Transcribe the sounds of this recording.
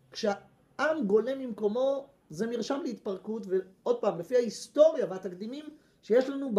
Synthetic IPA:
kʃea | ʔamɡo̞le̞mimko̞mo̞ | ze̞miʁʃamleit̪̚paʁkutveo̞d̪̚paːmlefiaist̪o̞ʁjaveat̪akd̪imim | ʃejeʃlanub

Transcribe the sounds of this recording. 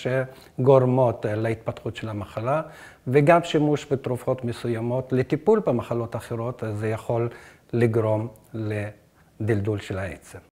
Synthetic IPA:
ʃe | ɡoʁmo̞t̪leit̪̚pat̪χutʃelhamaχala | veɡamʃimuʃbet̪ɾufo̞t̪mesujamo̞t̪let̪ipulbemaχalo̞t̪aχeʁo̞t̪azejaχo̞lː | iɡɾo̞mle | d̪ildulʃelaḛt͡sem

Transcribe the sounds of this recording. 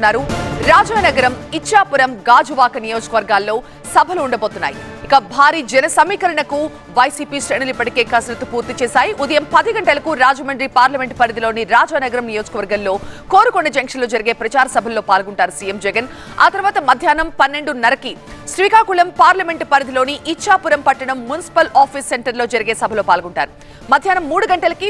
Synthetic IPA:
nːaːɾuɾaːd͡ʒaːnɐɡɐɾɐmit͡ʃːaːpuɾɐmɡaːd͡ʒuʋaːkɐnijo̞ːd͡ʒɐkɐʋɐɾɡaːlːo̞ː | sɐbʱɐluːɳɖɐboːt̪unːaːji | ikɐbʱaːɾiːd͡ʒɐnɐsɐmiːkɐɾɐɳɐku | ʋɐjsiːpiːʃɾeːnulipːɐʈike̞ːkɐsnɐt̪upuːɾt̪it͡ʃɛːsaːjiʔud̪ɐjɐmpɐd̪iɡɐɳʈɐlɐkuɾaːd͡ʒɐmɐɳɖɾipaːɾlɐme̞ɳʈpɐɾid̪ilo̞ːniɾaːd͡ʒaːnɐɡɐɾɐmnijo̞ːd͡ʒɐ̥kɐʋɐɾɡɐnlo̞ːko̞ːɾukoɳɖɐd͡ʒɐŋkʂɐnloːd͡ʒɐɾiɡe̞ːpɾɐt͡ʃaːɾɐsɐbʱɐlo̞ːpaːlɡuɳʈaːɾusijemd͡ʒɛɡɐn | a̰ːt̪ɐɾuʋaːt̪ɐmɐd̪ʱjaːnɐmpɐnːe̞ɳɖunɐɾɐkisʋiːkaːkulɐmpaːɾlɐme̞ɳʈpɐɾid̪ilo̞ːniʔit͡ʃʰːaːpuɾɐmpɐʈːɐɳɐmːunisi̥pɐlaːpʰiːsːeɳʈɐɾloːd͡ʒɐɾiɡe̞ːsɐbʱɐloːpaːlɡuɳʈaːɾu | mɐd̪ʱjaːnɐmːuːɽuɡɐɳʈɐlɐki

